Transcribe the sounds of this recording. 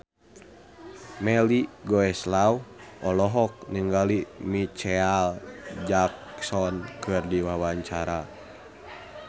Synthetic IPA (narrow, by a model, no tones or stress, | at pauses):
mɛliɡɔɛslauwʔɔlɔɦɔk̚niŋɡalimit͡ʃɛald͡ʒak̚sɔnkʰɨrdiwawaɲt͡ʃaɾa